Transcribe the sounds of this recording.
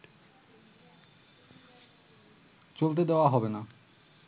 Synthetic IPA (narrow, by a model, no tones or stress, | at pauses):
t͡ɕolt̪̬ed̪eoaɦɔbena